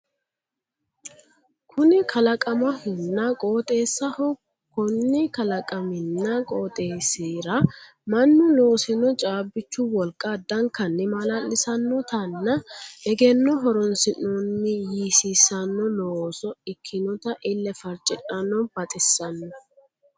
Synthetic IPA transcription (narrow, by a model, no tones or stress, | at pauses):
kʰʊnɪkʰɐlɐkʼɐmɐhɪnːɐkʼoːt̪ʼe̞ːsːɐhɔ | kɔnːɪkɐlɐkʼɐmɪnːɐkʼoːt̪ʼeːseːɾɐ | mɐnːʊlo̞ːsɪnɔt͡ʃʼaːbːɪt͡ʃːʊwɔlkʼːɐd̪ɐŋkɐnːɪmɐlalːɪsɐnːɔt̪ɐnːɐɛɡɛnːɔɦɔɾɔnsɪnonːɪjiːsiːsɐnːɔloːsɔɪkʰːɪnɔt̪ɐʔɪlːɛfɐɾt͡ʃʼːɪᶑɐnːɔb̥ɐt̪ʼɪsːɐnːɔ